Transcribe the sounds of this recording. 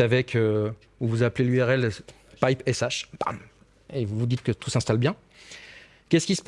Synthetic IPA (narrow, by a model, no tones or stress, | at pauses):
avɛkʰø | uvuzaplelyɛʁɛl | pajpɛsaʃpa̰m | evuvud̪it̪̚kət̪usɛ̃st̪albjɛ̃ | kʲɛskʲisə̥p